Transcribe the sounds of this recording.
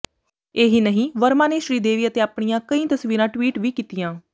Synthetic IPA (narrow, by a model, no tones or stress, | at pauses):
eːɦiːnəɦĩːʋəɾmãːneːʃɾiːd̪eːʋiːət̪eːaːpɳ̃ijãːkəĩːt̪əsʋiːɾãːʈwiːʈʋiːkiːt̪ijãː